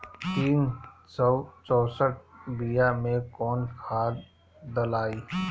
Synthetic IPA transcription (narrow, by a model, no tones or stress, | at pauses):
t̪iːnsɔʊt͡ʃɔːsəʈ̚ʰbijamẽkɔːnkʰaːl | d̪əlaːiː